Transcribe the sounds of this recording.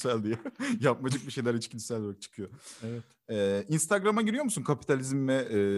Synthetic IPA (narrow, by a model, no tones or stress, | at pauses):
sælʲd̪ijɛjap̚mad͡ʒɯk̚biʃe̞jlʲæɾit͡ʃcʰinsælʲd̪ak̚t͡ʃʰɯ̥kʰɯjovɛ | ɛːinst̪ʰaɡɾamaɟiɾijo̞musunkʰapʰi̥t̪ʰalʲizmvɛː